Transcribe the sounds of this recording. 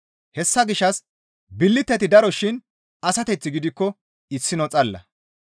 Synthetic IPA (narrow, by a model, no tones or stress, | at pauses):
hɛsːɐɡɪʃːɐs | bɪlːɪt̪ːɛt̪ɪd̪ɐɾɔʃɪn | ɐsɐt̪ɛt͡sːɪɡɪd̪ɪkːɔ | ɪsːɪnɔt͡sʼɐlːɐ̰